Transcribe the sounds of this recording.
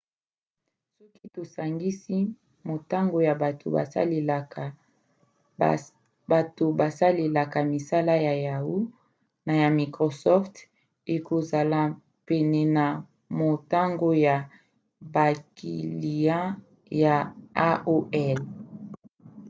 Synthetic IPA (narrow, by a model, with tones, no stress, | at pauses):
sɔ˦ki˦to˨sa˨ŋɡi˦si˦ | mo˨ta˦ŋɡo˨ja˨ba˨tʰo̰˨ba̰˨sa̰˦le˨la˨a˨ | ba˨to˨ba˨sa˦le˨la˨ka˨mi˨sa˦la˦ja˨ja˨wu˦ | na˨ja˨mi˨kʁo˨sɔ˦ft | e˨ko˨za˨la˨ | pɛ˨nɛ˨na˨ | mo˨ta˦ŋɡo˦ja˨ | ba˨kʰḭ˨li˨jã˦ | ja˨a˦ʔo˦ɛ˦l